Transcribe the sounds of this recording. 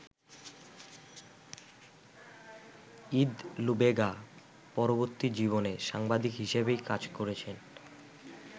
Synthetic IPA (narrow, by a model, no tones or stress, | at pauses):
id̪lubeɡa | pɔɾoboɾt̪id͡ʑiβoneʃaŋbad̪ʱikɦiʃebejkad͡ʑkoɾet͡ɕʰen